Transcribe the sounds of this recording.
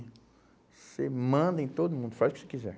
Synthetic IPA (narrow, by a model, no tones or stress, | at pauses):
semɐ̃d̪ɐẽj̃t̪od̪ʊmũnd̪ʊfajzʊkʊ̥se̥kizɛ̰ɾ